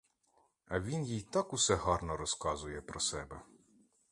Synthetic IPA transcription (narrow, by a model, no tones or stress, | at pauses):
ɐʋʲinjijt̪ɑkusɛɦɑrnɔɾɔskɑzʊjɛpɾɔsɛbɛ